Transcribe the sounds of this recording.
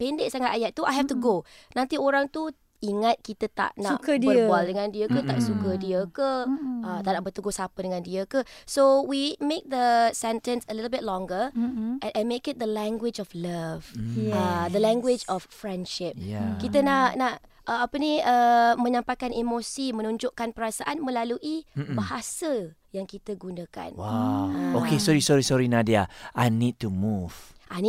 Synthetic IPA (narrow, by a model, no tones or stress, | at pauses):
pendeʔ̚saŋat̪ajaʔ̚t̪uʔajɦɛft̪uɡonãnt̪ioɾaŋt̪u | iŋat̪̚kit̪ət̪a̰ʔnaʔkədəwɔldəŋãndiəkət̪aʔsukədiəkəət̪aʔnaʔbət̪uɡʊsapədəŋãndiəkəsowimẽk̚d̪əsɛntə̃nsəlitl̩bɪt̚lɔ̃ŋɡəʔɛʔɛ̃nmekɪt̪̚d̪əlɛ̃ŋɡwɪd͡ʒɔfləvad̪əlɛ̃ŋɡwɪd͡ʒɔffɹɛ̃ndʃɪp̚jakit̪ənaʔnaʔ | ʔəapənĩəmə̃ɲãmpajkanimosimə̃nuɲd͡ʒoʔkanpəɾasaʔanmə̃laluʔibaɦasə | jaŋkit̪əɡunəka̰nwaokesɔɾisɔɾisɔɹinãdiaʔajnid̚tumuv̥ʔani